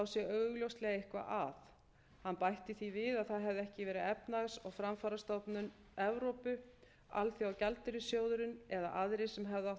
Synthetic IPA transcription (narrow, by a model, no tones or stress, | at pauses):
awsjɛœːɥɣʏljowst̪lɛɣaɪhkva̰ʔaθ | hanːpajht̪ɪθivɪðaðθaðɦɛvðɛhcɪvɛːɾɪɛpnaɣsɔɣfɾamfaːɾast̪ɔp̪nʏn | ɛvɾowpʏ | a̰lθiawcɛlt̪ʏɾʏsjoːwðʏɾʏnɛða̰ʔaðɾɪsɛmɦɛvða